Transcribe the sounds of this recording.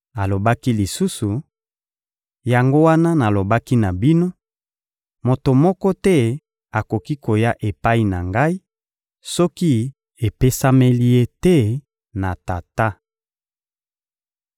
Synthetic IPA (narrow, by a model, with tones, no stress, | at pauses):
a˨lo˨ba˦ki˦li˨su˦su˨ | ja˨ŋɡo˦wa˦na˦na˨lo˨ba˦ki˦na˨bi˦no˦ | mo˨to˨mɔ˦kɔ˦tɛ˦ | a˨ko˨ki˦ko˨ja˦ʔe˨pa˦i˦na˨ŋɡa˦i˦ | sɔ˦ki˦ | e˨pe˦sa˦me˦li˦je˦tɛ˦ | na˨ta˨ta˦